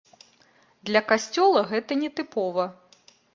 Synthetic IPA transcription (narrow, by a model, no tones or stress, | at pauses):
d̪lʲɐkasʲt͡sʲɔlˠɐɣɛt̪ɐnʲɛt̪ɨpɔvɐ